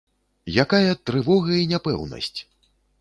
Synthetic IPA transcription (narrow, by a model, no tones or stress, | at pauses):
jakajɐt̪ɾɨvɔɣɐinʲapɛwnɐ̰sʲt͡sʲ